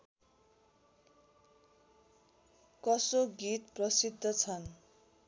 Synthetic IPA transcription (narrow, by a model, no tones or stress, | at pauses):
kʌsoɡit̪prʌsid̪ʱːʌt͡sʰʌn